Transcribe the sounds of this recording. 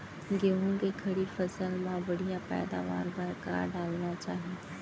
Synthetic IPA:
ɡeɦũɡekʰɐɽifɐsəlmãʋɐɽʱijãpɛ̰ːd̪a̰ːʋa̰ːɾbɐɾka̰ːɾɖaːlnat͡ɕaːɦi

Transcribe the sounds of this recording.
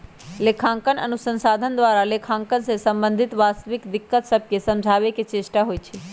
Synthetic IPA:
lekʰãŋkənə̰nusə̃nsad̪ʱənd̪ʋaɾalekʰãŋkənsesəmbənd̪ʱit̪ʋast̪ʋikd̪ɪkːət̪səb̚kjesəmd͡ʒʱaʋeket͡ʃeʃʈaɦojt͡ʃʰe

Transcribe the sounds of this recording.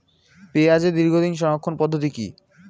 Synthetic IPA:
peːad͡ʑʰed̪iɾɡʱod̪inʃ̬ɔnokʰːonpɔd̪ʱːot̪̬ikḭ

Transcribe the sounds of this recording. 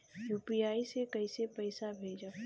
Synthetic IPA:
juːpijaːisekɐisepɐɪsabʱeːd͡ʒaː

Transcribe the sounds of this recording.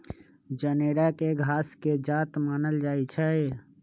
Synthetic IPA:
d͡ʒəneːɾakeɡʱaːsked͡ʒaːt̪maːnəld͡ʒaːit͡ʃʰɛ

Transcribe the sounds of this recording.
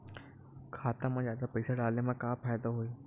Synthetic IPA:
kʰaːt̪amãzaːd̪apəɪsaɖaːlnemãkaːfaːjd̪aɦoe

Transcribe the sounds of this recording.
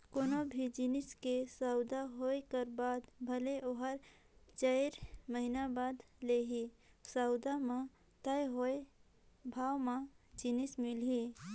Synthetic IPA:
konobʱid͡ʒinɪskesaʊd̪aɦoekəɾbaːd̪bʱəleʔoɦəɾ | t͡ʃəɪɾməɦinabaːd̪leɦisaʊd̪ama | t̪əjɦoe | bʱaːwmãd͡ʒinɪsmɪlɦi

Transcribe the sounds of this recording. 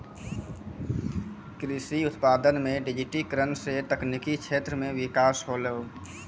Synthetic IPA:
kɾisiʊt̪paːd̪ənmẽɖɪd͡ʒiʈikɾənset̪əknikit͡ʃʰeːt̪ɾəmẽʋɪkaːsɦoleo

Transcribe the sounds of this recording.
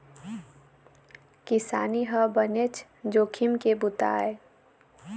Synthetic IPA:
kɪsa̰ːniɦəbənet͡ʃʰ | d͡ʒoːkʰimkebʊt̪a̰ːe

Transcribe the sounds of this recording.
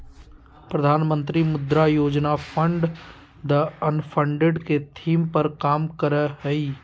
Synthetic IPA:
pɾɐd̪ʱaːnmə̃nt̪ɾimʊd̪ɾajoːd͡ʒnapʰə̃ɳɖ | d̪əɐnpʰə̃ɳɖeɖket̪ʰiːmpɐɾkaːmkəɾəɦɛi

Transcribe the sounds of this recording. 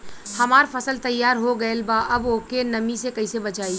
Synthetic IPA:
hɐmaːɾpʰəsəlt̪ɐjːaːɾɦoɡəelbaʔɐboːkenɐmisekəisebət͡ʃaːi

